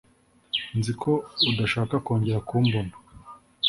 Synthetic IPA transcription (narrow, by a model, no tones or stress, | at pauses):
nzikʰo̞udaʃaːkako̞ːɲɟe̞ɾakuːmbono̥